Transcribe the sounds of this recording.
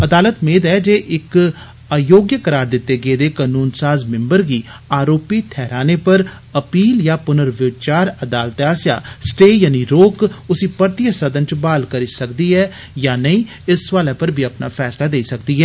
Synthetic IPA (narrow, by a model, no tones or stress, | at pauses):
əd̪aːlət̪meːd̪ɛːd͡ʒeːʔɪk | joːɡjəkəɾaːɾd̪ɪt̪ːeːɡeːd̪eːkaːnuːnsaːzmɪ̃mbəɾɡiːaːɾoːpiːʈʰɛːɾaːneːpəɾ | əpiːljaːpʊnəɾʋɪt͡ʃaːɾəd̪aːlt̪aːsja̰ːsʈeːjaːniːɾoːkʊsiːpəɾt̪ɪjəsəd̪ənt͡ʃbaːlkəɾiːsəkd̪iːɛː | jaːnəĩː | ɪsʋaːlaːpəɾbʱiːəpna̰ːpʰɛːslaːd̪eːisəkd̪iːɦɛː